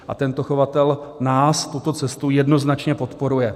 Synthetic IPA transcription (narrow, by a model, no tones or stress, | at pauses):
ʔa̰t̪ɛnt̪o̞xo̞vat̪ɛlnaːst̪ut̪o̞t͡sɛst̪ujɛdno̞znat͡ʃɲɛpo̞t̪po̞ɾujɛ